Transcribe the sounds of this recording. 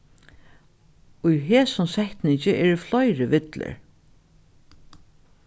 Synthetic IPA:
ʊjɦɛːsʊmsɛht̪nɪɲt͡ʃɪʔɛɹʊflɔjɾɪʋɪt̪lə̰ɹ

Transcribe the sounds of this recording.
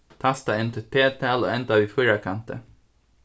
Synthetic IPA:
t̪ʰɑst̪ɑɛnt̪əpʰeːt̪ʰæːlo̰ːɛnt̪aʋiːfœɾakʰɑnt̪ə̰

